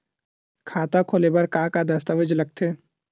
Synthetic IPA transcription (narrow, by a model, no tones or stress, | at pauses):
kʰaːt̪akʰoːlebɐɾkaːkad̪ɐst̪əʋəd͡ʒlɐɡ̚t̪ʰeː